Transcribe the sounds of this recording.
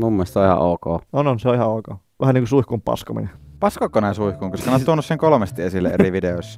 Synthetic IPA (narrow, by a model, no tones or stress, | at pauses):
mumːuest̪seoihɑ̰ʔoˑːkoːononseoihɑoˑːkoː | ʔæhæniːŋkusuihkumpɑ̰skomḭnepɑskokːonæˑinsuihkuŋkoskɑneot̪uonːusseŋkolmest̪iesilːḛḛriʋideois